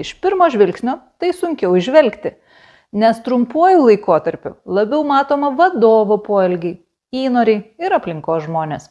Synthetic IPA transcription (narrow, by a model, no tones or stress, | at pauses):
ɪʃpʲɪɾmoːʒʲʋʲɪlʲksʲnʲoːt̪ɐɪsʊŋʲkʲɛʊɪʒʲʋʲɛlʲkt̪ʲɪ | nʲɛst̪ɾʊmpoːjuːlˠɐɪkoːt̪ɐɾʲpʲʊ̰lˠɐbʲɛʊmɑːt̪oːmɐʋɐd̪oːʋopoːɛlʲɡʲɛɪ | iːnoːɾʲɛɪɪɾɐpʲlʲɪŋkoːsʒmoːnʲeːs